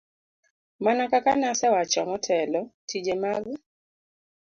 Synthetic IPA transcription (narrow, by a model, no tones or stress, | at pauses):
manakakanasɛwat͡ʃɔmɔtʰɛlɔtʰid͡ʒemaɡu